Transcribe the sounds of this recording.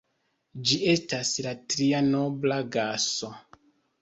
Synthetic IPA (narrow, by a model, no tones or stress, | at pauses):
d͡ʒie̞staslatɾiano̞blaɡaso̞